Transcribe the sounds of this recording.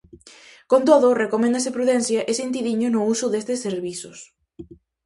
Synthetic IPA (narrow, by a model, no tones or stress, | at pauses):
kont̪oðʊrekomẽnd̪ɐsɪpɾuðenθjɐʔesent̪̬iðiɲʊnʊusʊðest̪ɪsːeɾβisʊs